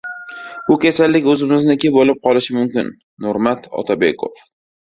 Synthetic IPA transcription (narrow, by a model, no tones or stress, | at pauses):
bʊkʲʰasalːɪkʲɵzɪmɪznɪkʲɪpolɪp̚qʰɒlɪʃɪmʊmkʲɪ̰nːʊɾmat̪ʰɒ̰t̪ʰabḛkʰo̞̰f